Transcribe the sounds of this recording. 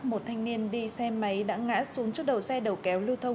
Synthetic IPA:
mo˨˩t̚t̪ʰa˧jŋ̟ni˧ənɗi˧sɛ˧ma˨˦jɗa̰ː˧˥ŋa̰ː˧˥su˨˦əŋt͡ɕɨ˦˥ɗə̰˨˩wsɛ˧ɗə˨˩wkɛ˨˦wlɨ˧wt̪ʰə˧wŋ͡m

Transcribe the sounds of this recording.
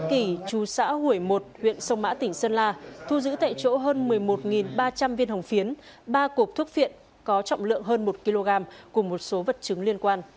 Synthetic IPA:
ki˧˩t͡ɕu˨˩sa̰ː˧˥hu˧˩əjmo˨˩t̚hwḭ˧˨ənsə˧wŋ͡mma̰ː˧˥t̪ï˨˩ŋ̟səː˧nlaː˧t̪ʰu˧zɨ̰˧˥t̪a̰ː˧˨jt͡ɕo̰˧˥ɦəː˧nmɨ˨˩əjmo˨˩t̚ŋi˨˩nɓaː˧t͡ɕa˧mvi˧ənhə˨˩wŋ͡mfi˨˦ən | ɓaː˧ku˨˩p̚t̪ʰu˦˥ək̚fḭ˧˨ən | kɔ˨˦t͡ɕɔ̰˧˨wŋ͡mlɨ̰˧˨əŋɦəː˧nmo˨˩t̚ki˧lo˧ɣaː˧mku˧˩əmo˨˩t̚so˨˦və˨˩t̚t͡ɕɨ˨˦ŋli˧ənkwaː˧n

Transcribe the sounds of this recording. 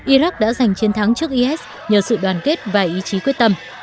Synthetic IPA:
ʔi˧za˦˥k̚ɗa̰ː˧˥za˨˩jŋ̟t͡ɕi˨˦nt̪ʰa˨˦ŋt͡ɕɨ˦˥ək̚ʔi˧ʔɛ˦˥s | ɲəː˨˩sɨ̰˧˨ɗwaː˨˩nke˦˥t̚vaː˨˩ʔi˨˦t͡ɕi˨˦kwət̚t̪ə˧m

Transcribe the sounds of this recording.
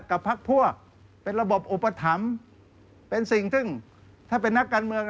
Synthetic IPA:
ka˨˩pʰːa˦˥k̚pʰu˥˩ək̚ | pe˧nɾa˧bo˨˩p̚ʔo˨˩pːa˧t̪ʰa˩˦m | pe˧nsi˨˩ŋt̪ʰɯ˥˩ŋ | t̪ʰaː˥˩pe˧nːa˦˥kːaː˧nmɯ˧əŋ

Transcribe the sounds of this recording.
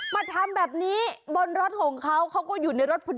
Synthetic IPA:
maː˧t̪ʰa˧mbɛː˨˩p̚niː˦˥bo˧nɾo˦˥t̪̚kʰoː˨˩˦ŋkʰa˦˥wkʰa˦˥wkɔː˥˩juː˨˩na˧jɾo˦˥t̪̚pʰu˧˩

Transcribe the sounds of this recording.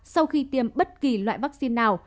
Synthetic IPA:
sa˧wxi˧t̪i˨˩əmɓə˦˥t̚ki˨˩lwa̰ː˧˨jvaː˦˥k̚si˧nːaː˨˩w

